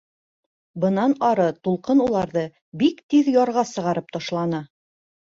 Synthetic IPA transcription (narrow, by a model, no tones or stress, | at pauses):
bɤ̆nɑnɑɾɤt̪ulˠqɤnulˠɑɾðɤ | bikt̪iðjɒɾʁɑsɤ̆ʁɑɾɤp̚t̪ɑʃlˠɑnɤ